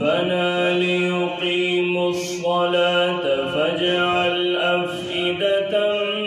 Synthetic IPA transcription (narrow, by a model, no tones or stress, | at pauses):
banaːlɪjʊqiːmʊʃ | wɑlaːt̪fad͡ʒaʕalʔaf | ɪd̪at̪a